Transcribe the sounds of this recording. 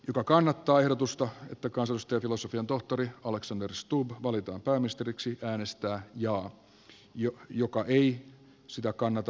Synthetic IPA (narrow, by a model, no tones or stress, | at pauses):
jokɑkɑnːɑt̪ːɑːehɾot̪ust̪ɑḛt̪ːækɑnsɑlist̪ejɑfilosofiɑnt̪o̞ht̪oɾiɑleksɑnderst̪ubʋɑlit̪ɑ̰ːmpæːminist̪eɾiksiʔæːnest̪æːjɑː | jojokɑʔei | sit̪ækɑnːɑt̪ɑ